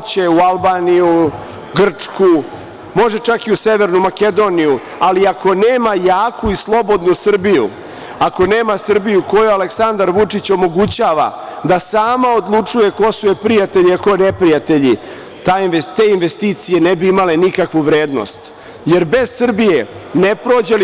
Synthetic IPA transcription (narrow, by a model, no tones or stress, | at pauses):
t͡ɕeualbaːniju | ɡr̩t͡ʂku | mo̞ʒe̞t͡ʃakiuse̞ʋeɾnumake̞d̪o̞ːniju | aliakʰo̞neːmajaːkʰuislˠo̞bo̞d̪nusr̩bijṵ | ako̞neːmasr̩bijuko̞jualeksand̪aɾʋut͡ʂit͡ɕo̞mo̞ɡut͡ɕaːʋa̰d̪asaːmao̞d̪lˠut͡ʂuje̞ko̞suepɾijat̪eʎiako̞nepɾijat̪e̞ʎi | t̪aet̪e̞ːinʋest̪iːt̪sije̞nebiimalenikakʋuʋɾeːd̪no̰st̪ | je̞ɾbe̞z̥sr̩bijenepɾo̞ːd͡ʑel